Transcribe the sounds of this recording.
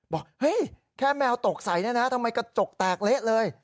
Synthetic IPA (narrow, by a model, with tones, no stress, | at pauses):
bɔː˨˩k̚hɤ˦˥˩j | kʰɛː˥˩mɛː˧wt̪o˨˩k̚sa˩˦jni˥˩na˦˥t̪ʰa˧mːa˧jkɔ˥˩t͡ɕo˨˩k̚t̪aː˨˩k̚le˦˥ʔ̚lɤː˧j